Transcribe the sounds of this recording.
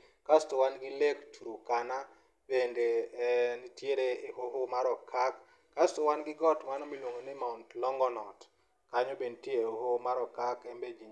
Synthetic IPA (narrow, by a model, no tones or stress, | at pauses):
kastowanɡɪlektʰuɾokana | bendenitjeɾeːhoɦomaɾɔkʰakː | astowanɡɪɡɔtmanɔmilwoŋɡonɪmauntlɔŋɡɔnɔt | kaɲobentiehohomaɾɔkakembed͡ʒiɲ